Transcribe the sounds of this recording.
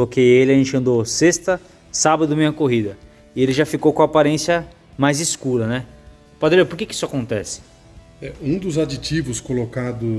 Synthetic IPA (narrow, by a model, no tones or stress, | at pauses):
lokejelɪaʒẽnt͡ʃɪɐ̃nd̪osest̪ɐ | sabɐd̪ʊmẽɲ̃ɐkoɦid̪ɐ | ɪelɪʒafikowkõapaɾẽsiɐ | majzɪskuɾɐnɛ | pad̪lepoɾkekɪi̥sʊakõnt̪ɛsɪ̥ | ɛũd̪ʊzad͡ʒit͡ʃivʊskolokad̪ʊ